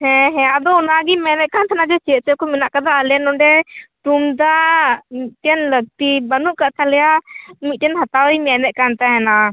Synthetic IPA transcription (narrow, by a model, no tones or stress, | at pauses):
hɛ̃ɦɛ̃ad̪ɔɔnaɡimɛnɛʔ̪̚kant̪ʰanad͡ʒɛt͡ʃɛʔ̚t͡ʃɛkɔmɛnaʔkad̪aəlɛnɔɖɛʈumd̪amit̪̚ʈɛnləɡ̚t̪ibanuʔkaʔt̪ʰalɛjamit̪̚ʈɛnɦat̪awəjmɛnɛʔ̪̚kant̪aɦɛna